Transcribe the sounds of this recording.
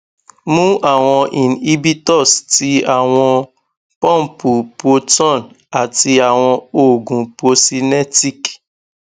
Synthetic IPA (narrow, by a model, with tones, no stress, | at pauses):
mũ˦ʔa˨w̃ɔ̃˧ʔi˨n̩˨i˦bi˦tɔ˦˨sti˦a˨w̃ɔ̃˧ | pɔ̃˦m̩˨pu˨po˦tɔ˦˨n | a˨ti˧a˨w̃ɔ̃˧o˨ɡũ˨po˦si˦ne˦ti˦k